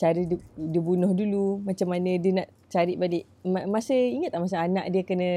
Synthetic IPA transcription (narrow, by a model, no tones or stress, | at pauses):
t͡ʃaɾidiəbunɔhdulumat͡ʃamːanə̃diənaʔ | t͡ʃaɾɪʔbalɪʔ | mamasəiŋət̪̚aʔmas̬əana̰ʔdiəkənə̃